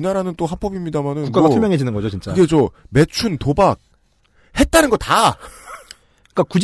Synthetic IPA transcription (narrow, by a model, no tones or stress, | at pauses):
inaɾanɯnt͈ohapʰʌbimɲidamanɯnuk͈aoɡasuɭmjʌŋɦe̞d͡ʑinɯnɡʌd͡ʑot͡ɕint͡ɕ͈aed͡ʑome̞t͡ɕʰuntobak̚ | he̞t̚t͈anɯnɡʌt̚a | k͈akud͡ʑ